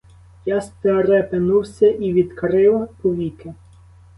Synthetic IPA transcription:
jɑst̪eɾɛpenuwsʲɐʔiʋʲid̪kɾɪwpɔʋʲikɪ

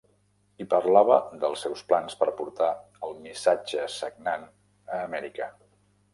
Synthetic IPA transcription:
ipəɾlaβə̰ðəlˠsːɛwsplanspəɾpuɾt̪a | əlˠmisad͡ʒəsəɡ̚nan | əːmɛɾikə

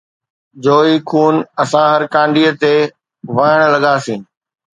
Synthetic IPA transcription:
d͡ʑoːiːkʰuːnɐsãɦɐɾkãːɳɖiət̪e | ʋaːɽ̃lɐɠaːsĩː

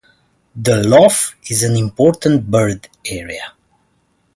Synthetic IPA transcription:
ðəlɔfizæ̃nĩmpɔɹt̪ə̃nt̚bəɹdɛɹiə

